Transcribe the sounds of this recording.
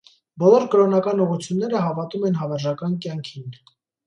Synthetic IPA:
bɔlɔɾkəɾɔnɑkɑnuʁut͡sʰjunːɛɾəɦɑvɑt̪umɛnɦɑvɛɾʒɑkɑnkjɑŋkʰin

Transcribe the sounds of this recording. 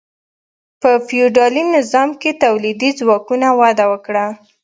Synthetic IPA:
pəfiuɖɑlinɪzɑmket̪awlid̪izwɑkunawɑd̪awəkɽa

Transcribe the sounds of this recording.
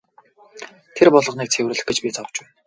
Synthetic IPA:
t̪ʰerpɔɮɞ̆χniːk̚t͡sʰewrɘ̆ɮ̆xɡet͡ɕpʲit͡sʰawt͡ɕwæːn

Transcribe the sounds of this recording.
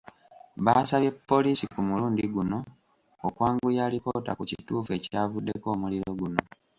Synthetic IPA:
βasaβe̞pːo̞liːsikumuluːndiɡuno̞ | okwaːŋɡujalipo̞ːta̰kucituːfue̞caːvudːeko̞ːmuliɾo̞ɡuno̞

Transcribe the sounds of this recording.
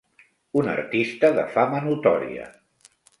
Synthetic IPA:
unə̰rt̪ist̪əðəfamənut̪ɔɾḭə̰

